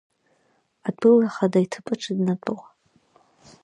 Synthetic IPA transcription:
adʷʰʼɨlaχadaitʰɨpʼaʈ͡ʂʰɨdnatʷʼʊʁa

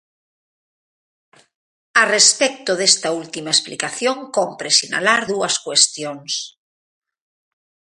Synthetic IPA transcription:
arespɛk̚t̪oðest̪ɐult̪imaesplikaθjoŋkompɾesina̰laɾðuɐskwest̪joŋs

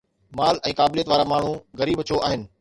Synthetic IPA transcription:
maːlɛ̃ːkaːblijət̪ʋaːɾamaːɳ̤ũɣɐɾiːbɐt͡ɕʰoʔaːɦɪnɪ̆

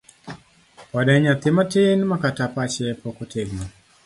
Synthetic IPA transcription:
waɗaɲat̪imatenmakatapat͡ʃɛpɔkutʰɛɡma

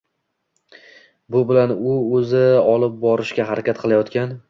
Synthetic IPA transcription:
bʊbɪlanʊɵzɪɒlˠɪp̚bɒɾɪʃkʲaɦaɾakʲat̪qʰɨlˠajɒt̪kʲan

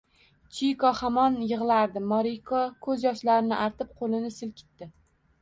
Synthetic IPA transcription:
t͡ʃʰijkɒhamɒnjɨʁlˠaɾd̪ɪmɒɾikʰɒkʰɵzjɒʃlaɾɪnɪʔaɾt̪ɪp̚qʰolɪnɪsɪlkʲʰɪ̥t̪ːɪ

